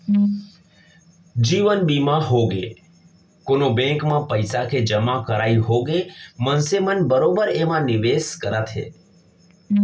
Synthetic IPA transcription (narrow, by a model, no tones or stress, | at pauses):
d͡ʒiʋənbimãɦoɡe | konobɛ̃kmãpəjsakʰed͡ʒəmãkəɾaiɦoɡemənsemənbəɾobəɾemãnɪʋeskəɾat̪ʰɦḛ